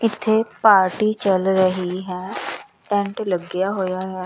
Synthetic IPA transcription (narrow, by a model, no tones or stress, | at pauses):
ɪt̪ʰːeːpaːɾʈiːt͡ʃəlɾəɦiɦɛː | ʈɛ̃ːɳʈləɡɪjaːɦoːjaːɦɛː